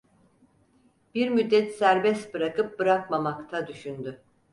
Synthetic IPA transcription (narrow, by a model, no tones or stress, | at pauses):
b̥iɾmyd̪ːɛt̪sæɾbɛst̪bɯɾakʰɯp̚bɯɾakmamakt̪ʰad̪yʃynd̪y